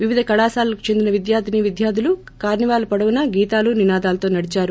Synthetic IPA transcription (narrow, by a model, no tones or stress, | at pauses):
ʋiʋid̪ʱɐkɐɽaːsaːlɐki̥t͡ʃe̞nd̪inɐʋid̪jaːd̪ʱiniʋid̪jaːd̪ʱilu | kaːɾniʋaːlɐpɐɽɐʋunɐɡiːt̪aːluninaːd̪aːlɐt̪o̞ːnɐɽit͡ʃaːɾu